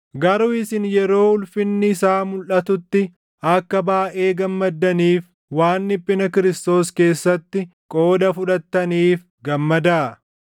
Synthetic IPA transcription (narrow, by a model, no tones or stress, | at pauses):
ɡɐɾʊːɪsɪnjɛɾo̞ːhʊlfɪnːɪsaːmʊlʔɐt̪ʊt̪ːɪ | ɐkːɐbaːʔe̞ːɡɐmːɐd̪ːɐniːf | waːnːɪpʼːɪnɐkɪɾɪst̪o̞ːske̞ːsːɐt̪ːɪkʼo̞ːd̪ɐfʊᶑɐt̪ːɐniːf | ɡɐmːɐd̪aʔɐ